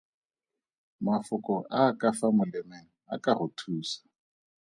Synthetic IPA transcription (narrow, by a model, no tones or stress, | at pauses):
mafʊkʼɔʔaːkʼafamʊlɛmɛŋ̩akʼaχʊtʰuːsḁ